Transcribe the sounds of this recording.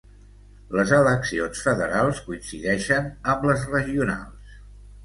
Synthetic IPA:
ləzələksionsfəðəɾalˠskuinsiðɛʃənəmbləzrəʒiuna̰lˠs

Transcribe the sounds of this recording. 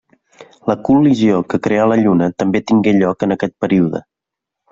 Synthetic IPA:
ləkuliziokəkɾeələʎunət̪əmbet̪iŋɡeʎɔkənəkɛt̪̚pəɾiuðə̰

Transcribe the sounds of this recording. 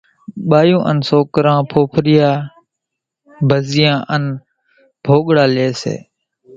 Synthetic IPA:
ɓaːjũːʔənsoːkəɾãːpʰoːpʰɾɪjaː | bʱəzɪjãːʔən | bʱoːɠɽaːleːsḛː

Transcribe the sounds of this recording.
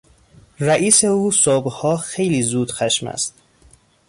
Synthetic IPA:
ɾæʔiːseuːsobhɒːxejliːzuːd̪̥xæʃmæ̰st̪

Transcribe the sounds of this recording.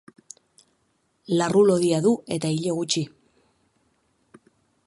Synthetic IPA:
larulo̞ðiaðue̞t̪aiʎo̞ɣut͡ʃi

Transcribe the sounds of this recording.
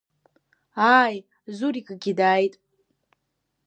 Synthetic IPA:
aːj | zuɾikʼɡʲidaːjtʼ

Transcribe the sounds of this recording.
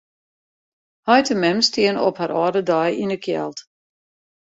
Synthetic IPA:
hɔjtəmɛmstiənɔ̰phaɾɔːdədɔjinəkʰjɛ̰lˠt

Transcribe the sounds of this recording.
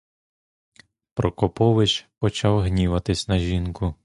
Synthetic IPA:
pɾɔkɔpɔʋɪt͡ʃpɔt͡ʃɑwɦnʲiʋɐt̪ɪsʲnɐʒʲinkʊ

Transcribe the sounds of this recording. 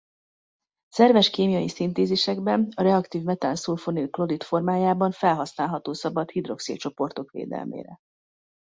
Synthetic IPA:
sɛrvɛʃkeːmijɒjisint̪eːzeːʃɛɡbɛnɒɾɛɒkt̪iːvmɛt̪ansulfonyklo̞ɾit̪fo̞rmaːjaːbɒɱfɛlɦɒsnaːlɦɒt̪oːsɒbɒt̪hid̪ro̞̰ksḭːt̪̚t͡ʃo̞po̞rt̪o̞kʋḛːd̪ɛ̰lmḛːɾɛ̰

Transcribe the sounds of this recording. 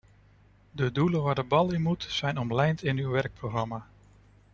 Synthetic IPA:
dədulənʋaːɹdəbɑlˠɪnmutsɛjnɔmlɛjntɪnywʋɛɹk̚prowχrɑmaː

